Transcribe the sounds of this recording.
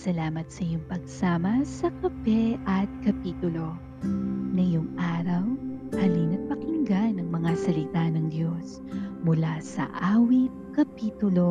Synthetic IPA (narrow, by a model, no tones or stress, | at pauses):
sɐlaːmɐt̪sɐjʊŋpɐɡ̚saːmɐsɐkɐpɛʔɐt̪̚kɐpiːt̪ʊlo̞ | nɐjʊŋʔaːɾɐwhɐlinɐt̪̚pɐkɪŋɡanɐŋmɐŋasɐlɪt̪anɐŋd̪jo̞s | mʊlasɐ̰ʔaːwit̪̚kɐpiːt̪ʊlo̞